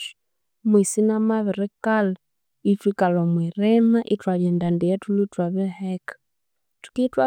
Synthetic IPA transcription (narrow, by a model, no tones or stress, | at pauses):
mwisinamaβɪɾɛkala | itwikalɔmwiɾɛmaʔitwaβɛndandijɛtulutwaβɛhɛkḁ | tu̥kitwa